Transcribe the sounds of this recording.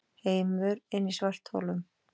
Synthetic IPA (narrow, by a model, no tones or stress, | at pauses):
heːjmʏɾɪnːisvar̥t̪ho̰ːlʏm